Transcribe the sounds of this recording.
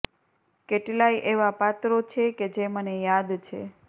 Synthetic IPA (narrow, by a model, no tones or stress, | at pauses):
keʈlaiʔeʋapat̪ɾot͡ʃʰeked͡ʒemənejad̪t͡ʃʰḛ